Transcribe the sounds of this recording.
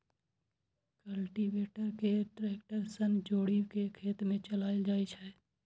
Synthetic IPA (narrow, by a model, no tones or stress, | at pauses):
kəlʈibeːʈəɾkeʈɾeːkʈəɾsənd͡ʒoːɽiwkekʰeːt̪mẽt͡ʃəlaːɪld͡ʒaːit͡ʃʰɛ